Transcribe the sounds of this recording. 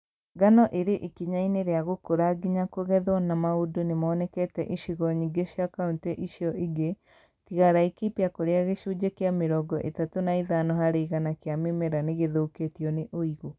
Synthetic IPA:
ɡanɔʔeɾeʔikiɲaineɾeaɣokoɾaɡiɲakoɣɛðwɔnamaudonemɔːnɛkɛtɛʔiʃiɣɔɲiɡeʃiakaunteʔiʃiɔʔiɡe | tiɣaɾaikipeakoɾeaɣeʃud͡ʑekeameɾɔɡɔʔḛtatonaiðanɔhaɾeiɣanakeamemɛɾaneɣeðouketiɔneʔoiɣo

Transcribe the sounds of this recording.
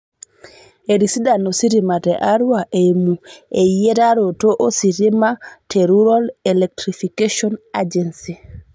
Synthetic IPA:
eɾisidanɔsiɾimatɛʔaɾuwaʔɛmuɛjɛɾaɾɔtɔʔɔsiɾimatʰɛɾuɾalɛlɛk̚tɾifikeʃɔnad͡ʒɛnsi

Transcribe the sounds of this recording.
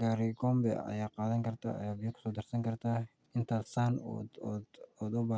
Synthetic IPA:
ɡaːɾɪɡɔːmbɛ̰ɐ̰jaːqɑːðɐŋkʰɐrt̪ʰa̰ɐ̰jaːbijɐkʰʊ̥sɔːd̪ɐrsɐŋkʰɐrt̪ʰaː | ɪnt̪ʰaːd̪saːnɔ̰ | ɔːd̪ʊbaː

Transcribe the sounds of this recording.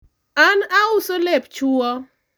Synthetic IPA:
anaʊsolept͡ʃuɔ

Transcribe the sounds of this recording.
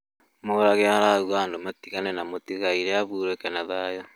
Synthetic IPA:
moɾaɣeaɾaɣwaːndomatiɣanɛnamotiɣaiɾeaβuɾekenaðajɔ

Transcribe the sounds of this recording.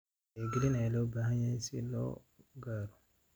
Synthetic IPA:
eɡilinalobahãɲasḭlɔ̰ | ɡaɾu

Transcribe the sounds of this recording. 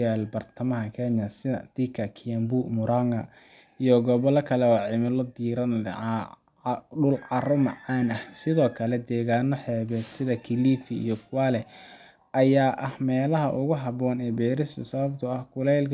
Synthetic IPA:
aːlbɐrt̪ʰɐmɐɦɐkʰɛːnjɐsɪðɐ̰d̪̥ikʰɐkʰijɐmbuɡmʊɾaŋɡɐ̰ | ijɔɡɔβɔlɐkʰɐlɛwɑːʕɪmɐlɔd̪iːɾɐn | ɖʊlʕɑrʊmɐʕaːnɐhsɪðɔːkʰɐlɛd̪ɛːɣaːnɔħɛːβɛːd̪sɪðɐkʰiliːfiḭjɔkʰwaːlɛ | ɐjaːʔɐhmɛːlɐɦɐʔʊɣʊɦɐβɔːnɛːbɛːɾɪst̪ʰɐsɐβɐb̚t̪ʰʊɐhkʰʊlɛːlkʰ

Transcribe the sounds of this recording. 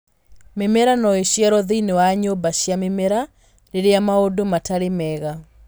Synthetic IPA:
memɛɾanɔeɕjɛɾɔðinewaɲobaɕjamemɛɾa | ɾeɾeamaodomataɾemɛɣa

